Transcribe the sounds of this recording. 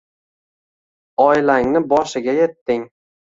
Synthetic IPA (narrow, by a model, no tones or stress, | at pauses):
ɒjlaŋnɪbɒʃɪɡʲaje̞t̪ːɪŋ